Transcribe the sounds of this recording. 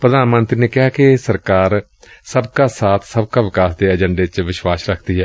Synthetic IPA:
pɾəd̪aːnmənt̪ɾiːneːkɪɦaːkɪsəɾkaːɾ | səbkaːsaːt̪ʰsəb̚kaːʋɪkaːsd̪eːəd͡ʒəɳɖeːt͡ʃʋɪʃwaːsɾəkʰd̪iːɦɛː

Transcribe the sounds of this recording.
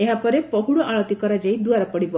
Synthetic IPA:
eɦapɔɾepɔɦuɽɔʔaɭɔt̪ikɔɾad͡ʒajd̪uaɾɔpɔɽibɔ

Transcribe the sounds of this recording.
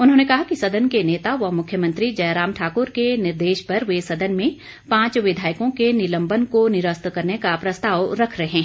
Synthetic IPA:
ʊnɦõːnekɐɦakisɐd̪ʱənkeneːt̪aʋɐɦmʊkʰjəmə̃nt̪ɾid͡ʒɐjɾaːmʈʰaːkʊɾkenɪɾd̪eːʃpɐɾʋesɐd̪ʱənmẽ | pãːt͡ʃʋɪd̪ʱaːɪkõkenɪlə̃mbənkonɪɾəst̪kɐɾnekapɾɐst̪aːʋɾɐkʰɾɐɦeɦɛ̃ː

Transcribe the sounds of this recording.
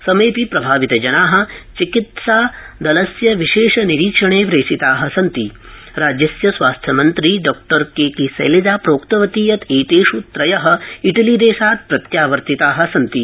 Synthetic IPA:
sɐmeːpipɾɐbʱaːʋit̪ɐd͡ʒɐnaːɦɐ̆t͡ʃikit̪saː | d̪ɐlɐsjɐʋiʃeːʂɐniɾiːkʂɐɳeːʋɾeːsit̪aːɦɐ̆sɐnt̪i | ɾaːd͡ʒjɐsjɐsʋaːst̪ʰjɐmɐnt̪ɾiːɖɔːk̚ʈɐɾkeːkisɐ̰jlid͡ʒ̪aːpɾoːkt̪ɐʋɐt̪iːjɐt̪eːt̪eːʂut̪ɾɐjɐɦɐ̆iʈɐliːd̪eːʃaːt̪̚pɾɐt̪jaːʋɐɾt̪it̪aːɦɐ̆sɐnt̪i

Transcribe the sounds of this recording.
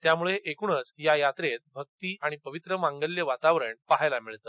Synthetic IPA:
t̪jamuɭeʔekuɳət͡sjajat̪ɾet̪̚bʱək̚t̪iːʔaɽ̃ipəʋit̪ɾəʋãŋɡəljəʋat̪aʋɾəɳpaɦajlamiɭt̪ə

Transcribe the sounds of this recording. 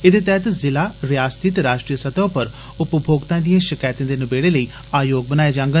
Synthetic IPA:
ɪd̪eːt̪ɛːt̪zɪlaːɾɪjaːst̪ʰiːt̪ɾaːʃʈɾijəsət̪ãːpəɾ | ʊpbʱoːɡt̪ãːd̪ijãːʃɪkaːjt̪ãːd̪eːnəbeːɽeːləiː | aːjoːɡ̚bənaːeːd͡ʒãːŋɡə

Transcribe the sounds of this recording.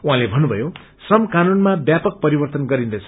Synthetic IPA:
uɦãlebʱʌnːubʱʌjo | srʌmkanunmabjapʌk̚pʌɾibʌrt̪ʌnɡʌɾind̪ʌjt͡sʰʌ

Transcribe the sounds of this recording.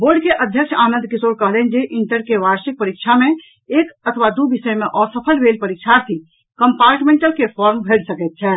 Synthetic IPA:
boːɾɖkeʔəd̪ʱjəkʃʰaːnə̃nd̪̚ʱkisoɾkəɦlɛnd͡ʒeʔiɳʈəɾkeʋaɾsik̚pəɾik̚t͡ʃʰamẽ | eːkət̪ʰʋad̪ubisəjmeʔɔːɾsəpʰəlbeːlpəɾik̚t͡ʃʰaɾt̪ʰi | kəmpaːɾʈmẽɳʈəlkepʰɔɾmbʱeɽsəkət̪̚t͡ʃʰɛ

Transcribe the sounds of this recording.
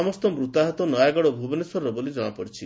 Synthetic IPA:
ɔmɔst̪ɔmɾut̪aɦɔt̪ɔnɔjaɡɔɽɔbʱubɔnesɔɾɔbolid͡ʒɔɽ̃apɔɽit͡ʃʰi

